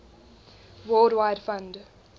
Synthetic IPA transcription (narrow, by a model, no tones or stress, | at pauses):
wɔldwaɪdfãnd